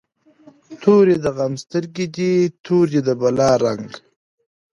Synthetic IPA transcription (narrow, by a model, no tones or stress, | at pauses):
t̪ʰoɾjed̪əɣamst̪əɾɡid̪it̪ʰoɾjed̪əbalɑɾaŋɡ